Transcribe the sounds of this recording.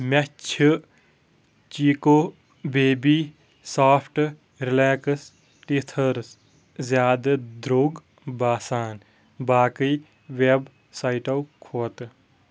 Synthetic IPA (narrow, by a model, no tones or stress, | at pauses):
mɐt͡ʃʰ | t͡ʃiːkoː | beːbiː | saːpʰʈ | ɾɪleːks | ʈit̪ʰəɾs | zjaːd̪ɐd̪ɾoːɡ | baːsaːn | baːkij | ʋeb | saiʈɐwkʰoːt̪